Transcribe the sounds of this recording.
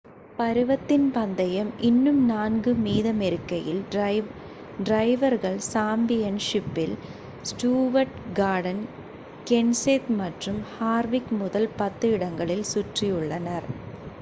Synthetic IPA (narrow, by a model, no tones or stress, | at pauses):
pɐɾɯʋɐt̪ːɪnpɐnd̪ɐjɐmʔɪnːɯmnaːnɡɯmiːðɐmɛɾɪkːɐjɪl | ɖɾɐɪʋɐɾɣɐɭsaːmbɪjɐnʂɪpːɪl | sʈuːʋɐɾʈɡaːɽɐn | kɛnset̪mɐʈrɯmhaːɾʋɪkmʊðɐlpɐt̪ːɯɪɽɐŋɡɐɭɪlsʊʈrɪjɯɭːɐnɐɾ